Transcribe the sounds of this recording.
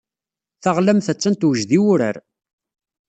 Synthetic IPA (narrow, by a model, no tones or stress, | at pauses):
θəʁlæmθət͡sːænt̪wʒðiwʊɾə̰ɾ